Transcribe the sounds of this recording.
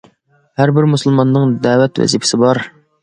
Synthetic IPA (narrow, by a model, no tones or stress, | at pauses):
hæɾbɪɾmusɨlˠmɑnːɨŋd̪æːwɛt̪wɛ̰zipʰɪ̥sɪbɑɾ